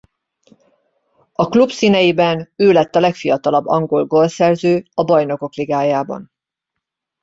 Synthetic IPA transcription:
ɒklupsinɛjibɛnøːlɛt̪ːɒlɛkfijɒt̪ɒlɒbːɒŋɡo̞lɡo̞lsɛrzøːɒbɒjno̞ko̞kliɡaːjaːbɒ̰n

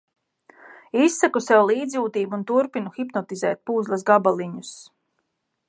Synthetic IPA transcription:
isːakusɛwlˠiːd̪zjuːt̪iːbuunt̪uɾpinuxipnɔt̪izɛːt̪̚puːzlˠasɡabalˠiɲus

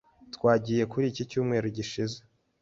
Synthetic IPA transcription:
tkwaːɟiːje̞kuɾicicuːmŋe̞ːɾoɟiʃize

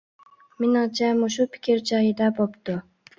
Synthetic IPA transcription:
mɪnɪŋt͡ʃʰɛmuʃupʰɪ̥kʲʰiɾd͡ʒɑjid̪ɑbopt̪u

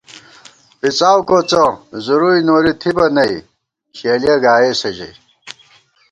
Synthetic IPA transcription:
pit͡saːwkot͡sozuɾujnoːɾit̪ʰibɐnɐj | ɕeːljɐɡaːeːsɐʑɐ̰j

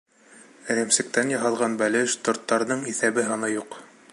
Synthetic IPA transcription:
ɘ̆ɾæmsɘ̆k̚t̪ænjɑɦɑlˠʁɑnbælʲɘʃt̪ŏɾt̪ːɑɾnɤɴiθæβɘɦɑnɑjuq

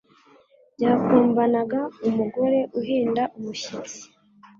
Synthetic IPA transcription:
ɟaːkuːmbanaɡaumuɡo̞ɾe̞ʔuɦiːndaʔumuʃit͡si̥

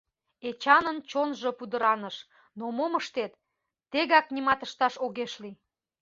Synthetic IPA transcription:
et͡ɕɑnənt͡ɕonʒəpud̪əɾɑnəʃ | nomoməʃt̪et̪ː | eɣɑk̚nimɑt̪əʃt̪ɑʃoɣeʃli

